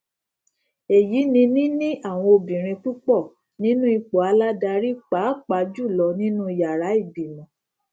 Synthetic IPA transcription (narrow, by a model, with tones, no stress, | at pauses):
e˨ji˨˦nĩ˧nĩ˦nĩ˦ʔa˦˨w̃ɔ̃˧o˧bĩ˨ɾ̃ĩ˧k͡pu˦k͡pɔ˦˨ | nĩ˦nũ˦i˧k͡po˨a˧la˦da˧ɾi˦k͡pa˨˦k͡pa˧d͡ʒu˦˨lɔ˨˧nĩ˦nũ˦i˧ja˨ɾa˨˦i˦˨bi˨mɔ̃˨˦˨